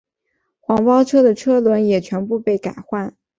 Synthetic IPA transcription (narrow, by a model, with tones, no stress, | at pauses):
xwɑ˧˥ŋpɑ˥ʊʈ͡ʂʰɤ˥d̪ə˨ʈ͡ʂʰɤ˥lwə˧˥njɛ˨˩t͡ɕʰɥɛ˧˥npu˥˧pe˥˩ɪka˨˩ɪxwa˥˩n